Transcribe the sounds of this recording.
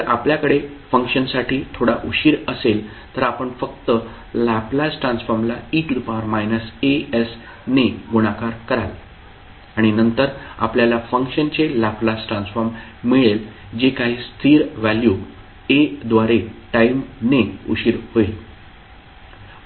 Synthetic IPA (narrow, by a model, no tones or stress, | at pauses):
t̪əɾʔapljakəɽefəŋkʂənsaʈʰiːt̪ʰoɽaʔuɕiːɾəsel | t̪əɾapəɳfək̚t̪ə | laplasʈɾansfəɾmlaiʈud̪paɾmajnəsees | neɡuɽ̃akaɾkəɾale | aɽ̃inənt̪əɾa̰pljalafəŋkʂənt͡selaplasʈɾansfəɾmːiɭel | d͡ʑekaɦiːst̪iːɾʋælju | ed̪ʋaɾeʈaimneuɕiːɾɦoil